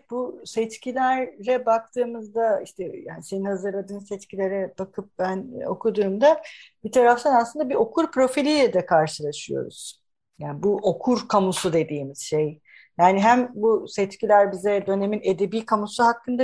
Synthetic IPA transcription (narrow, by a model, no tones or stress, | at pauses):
busɛt͡ʃcʰilʲæɾlɛbak̚t̪ʰɯːmɯzd̪aiʃt̪ʰɛjaːnise̞ninhazɯɾlˠad̪ɯːmsɛt͡ʃcʰilʲe̞ɾɛb̥akʰɯp̚bæno̞̰kʰud̪uːmd̪abit̪ʰaɾaft̪ʰanasɯnd̪abio̞kʰuɾpɾo̞filʲijlʲɛd̪ɛkʰaɾʃɯlˠaʃɯjo̞̰ɾṵz̥ | jaːnbuʔokʰuɾkʰamusud̪e̞d̪iːmiz̥ʃe̞j | jaːniɦæmbusɛt͡ʃcilʲæɾbizɛd̪ø̞ne̞mine̞d̪e̞biːkʰamusuɦakːɯnd̪a